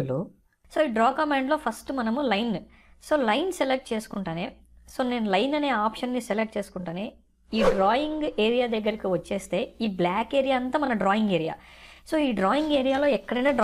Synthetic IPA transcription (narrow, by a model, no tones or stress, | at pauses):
lu | so̞ːiːɖɾɔːkɐmaːɳɖlo̞ːpʰɐsʈmɐnɐmulɐjn | so̞ːlɐjnselek̚ʈ̚t͡ʃe̞ːsu̥kuɳʈaːneː | so̞ːne̞ːnɐlɐjnɐne̞ːaːpʂɐnːiselek̚ʈ̚t͡ʃe̞ːsu̥kuɳʈaːneː | iːɖɾaːjiŋɡeːɾijaːd̪ɐɡːɐɾikiʋɐt͡ʃːe̞ːst̪e̞ːiːblaːkeːɾijaːɐnt̪aːmɐnɐɖɾaːjiŋɡeːɾija̰ː | so̞ːiːɖɾaːjiŋɡeːɾijaːlo̞ːɛkːɐɽɐneːɖ